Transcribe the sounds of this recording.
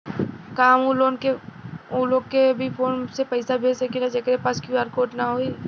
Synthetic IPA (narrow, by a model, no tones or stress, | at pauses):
kaːmuːlonkeuːlokeɐbʱifʰoːnsepɐɪsabʱesɐkilad͡ʒɐkɾepaːskjuaːɾkoːʈnɐɦoːiː